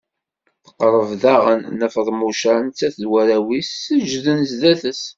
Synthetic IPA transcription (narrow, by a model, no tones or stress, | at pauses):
θə̥qɾˤəvðæʁənːəfəðˤmuʃænt͡sːæθðwæɾæwisəd͡ʒðənzðæθəs